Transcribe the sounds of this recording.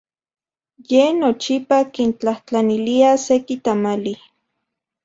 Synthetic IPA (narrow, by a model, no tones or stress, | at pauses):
jenot͡ʃipakint͡ɬaht͡ɬaniliasekit̪amali